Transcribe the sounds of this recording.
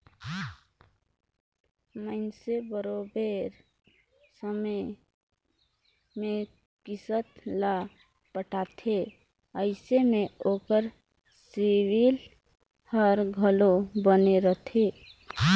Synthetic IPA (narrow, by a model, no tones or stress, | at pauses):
məɪnsebəɾobeɾ | səmə | me | kisət̪la | pəʈat̪ʰe | əɪsemeoːkəɾ | siwil | həɾɡʱəlobəneɾət̪ʰe